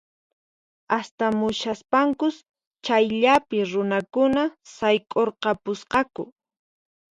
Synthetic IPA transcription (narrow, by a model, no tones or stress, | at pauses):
ast̪amʊʃaspaŋkʊs | t͡ʃajʎapɪɾʊnakʊnasajkʼoɾqɑpʊsqɑkʊ̰